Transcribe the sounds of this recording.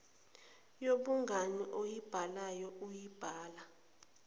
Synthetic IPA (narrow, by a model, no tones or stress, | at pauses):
joɓuŋaniʔojib̥ʱalajɔʔujib̥ʱaːla